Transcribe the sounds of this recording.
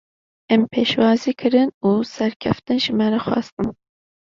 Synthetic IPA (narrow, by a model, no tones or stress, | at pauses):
ɛmpʰeːʃwɑːziːkʰɨɾɨnuːsɛɾkʲʰɛft̪ɨnʒɪmɛɾɛxʷɑ̰ːst̪ɨn